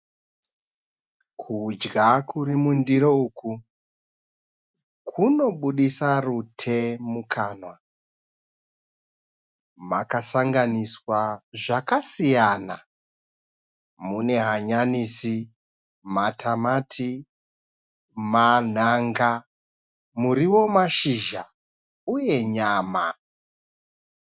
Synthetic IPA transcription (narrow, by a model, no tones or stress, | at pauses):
kʰud͡ʒɡakuɾimundiɾouːku | kʰuno̞ɓuɗisarutʰe̞mukʰaːnwa | makasaŋɡaniswaʐakasijana | mune̞ɦaɲanisi | matʰamatʰi | man̤aŋɡa | muɾiwo̞maʃiʒa | uje̞ɲaːma̰